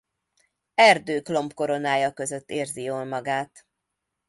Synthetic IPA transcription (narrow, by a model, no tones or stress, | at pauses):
ɛrd̪øːklo̞mpko̞ɾo̞naːjɒkø̞zø̞t̪ːeːrzioːlmɒɡaːt̪